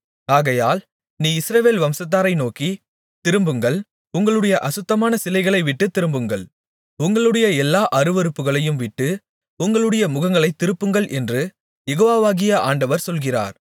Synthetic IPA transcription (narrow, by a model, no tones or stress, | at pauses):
aːɣɐjaːl | niːɪsɾɐʋeːlʋɐmsɐt̪̬ːaːɾɐɪnoːki | t̪ɪɾɯmbɯŋɡɐɭ | ʊŋɡɐɭɯɽɐjɐʔɐsɯt̪ːɐmaːnɐsɪlɐɪɣɐɭɐɪʋɪʈːɯt̪ːɪɾɯmbɯŋɡɐɭ | ʊŋɡɐɭɯɽɐjɐɛlːaːʔɐɾɯʋɐɾɯpːɯɣɐɭɐjɯmʋɪʈːɯ | ʊŋɡɐɭɯɽɐjɐmʊɣɐŋɡɐɭɐɪt̪ːɪɾɯpːɯŋɡɐɭʔɛndrɯ | jɛɣoːʋaːʋaːɣɪjɐʔaːɳɖɐʋɐɾsɔlɣɪra̰ːɾ